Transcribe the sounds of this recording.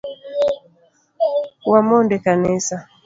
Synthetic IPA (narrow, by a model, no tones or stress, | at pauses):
wamɔndɛkanɛsa